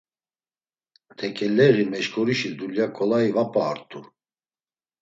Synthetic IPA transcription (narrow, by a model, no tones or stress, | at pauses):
t̪ʰɛkʼɛlɛɣimɛʃkʰʼɔɾiʃid̪uljakʼɔlaivapʼaːɾt̪ʼu